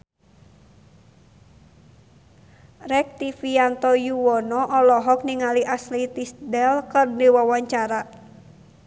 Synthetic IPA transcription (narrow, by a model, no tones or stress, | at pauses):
rɛk̚t̪ifiant̪ɔjuwɔnɔʔɔlɔɦɔk̚niŋaliʔaslit̪isdɛlkərdiwawaɲt͡ʃaɾa